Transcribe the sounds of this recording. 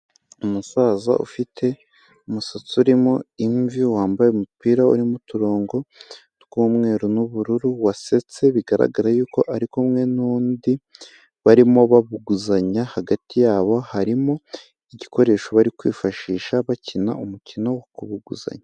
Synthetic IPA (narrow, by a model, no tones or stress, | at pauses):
umusaːza̰ʔṵfitʰe̞ | umusat͡suɾimoiɱviwaːmbajeumupiːɾaṵɾimutuɾo̞ːŋɡo̞ | tɡ̥uːmŋe̞ːɾonuβuɾuɾuwase̞t͡se̞βiɡaɾa̰ɡaɾajuːko̞ʔaɾikomŋe̞nuːndi | βaɾimo̞βaβuɡuzaɲahaɡatijaːβo̞haɾimo̞ | iɟiko̞ɾe̞ːʃoβaɾikwiːfaʃiːʃaβacina̰umucino̞wakuβuɡuza̰ɲa